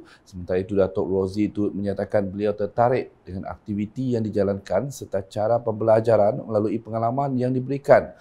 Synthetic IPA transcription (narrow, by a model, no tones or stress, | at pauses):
səmənt̪aɾait̪udat̪ɔʔrozit̪ut̪̚məɲat̪akanbəliawt̪ərt̪aɾɪʔ̚dəŋana̰k̚t̪ivit̪ijaŋdid͡ʒalankansərt̪at͡ʃaɾapəmbəlad͡ʒaɾanməlaluipəŋalamãnjaŋdibəɾikan